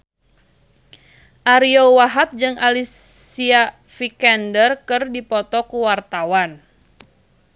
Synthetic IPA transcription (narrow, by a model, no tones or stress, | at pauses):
ʔaɾiowaɦap̚d͡ʒɨŋalis | ia | fikɛndərkɨrdipɔt̪ɔkuwart̪awan